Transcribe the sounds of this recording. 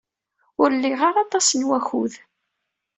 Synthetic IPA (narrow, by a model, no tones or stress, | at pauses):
ʊɾlːiʁaɾɑt̪ˤɑsənwæxuð